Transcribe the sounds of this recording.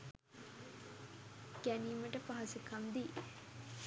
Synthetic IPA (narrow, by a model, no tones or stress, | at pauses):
ɡ̥æniːməʈəpaɦɐsikʰamd̪i